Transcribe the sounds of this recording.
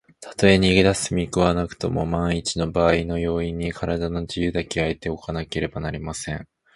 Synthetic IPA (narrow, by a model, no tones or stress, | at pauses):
t̪ʰḁt̪o̞e̞ɲ̟iɡed̪asɨmʲikɯ̟βanakɯ̟̥t̪o̞mo̞̰mãɰ̃it͡ɕino̞baːino̞jo̞ːiɲ̟ːikʰaɾad̪ano̞ʑijɯ̟ːd̪ake̞aet̪e̞okanake̞ɾe̞banaɾʲimasẽ̞ɴ